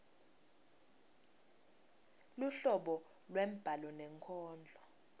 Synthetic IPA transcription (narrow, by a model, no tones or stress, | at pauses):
luɬɔɓɔ | lwɛm̩b̥ʱalɔnɛŋkʰɔːnd͡ɮʱɔ